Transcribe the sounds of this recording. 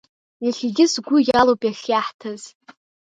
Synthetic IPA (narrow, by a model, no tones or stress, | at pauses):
jaɬʲiɡʲɪsɡʷʊjalowpʼjaχʲjaħtʰaz̥